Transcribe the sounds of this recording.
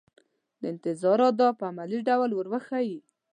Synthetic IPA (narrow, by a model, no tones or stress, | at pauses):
d̪əɪnt̪ɪzɑɾɑt̪̚d̪ɑpəamaliɖawlwəɾwəxaji